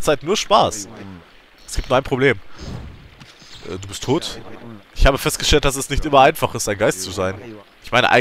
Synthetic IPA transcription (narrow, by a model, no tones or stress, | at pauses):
t͡saɪtnuːɐʃpaːs | ʔɛsɡ̥iːptnuɐaɪnpʁ̥obleːm | ʔɛ̰ːduːbɪstʰːoːtʔɪçhaːbəfɛst̚ɡ̥əʃtɛlt̚d̥as̬ɛsnɪçtʔɪmɐaɪnfaχɪstd̥aɪnɡaɪstt͡suzaɪnʔɪçmaɪnəʔa̰ɪ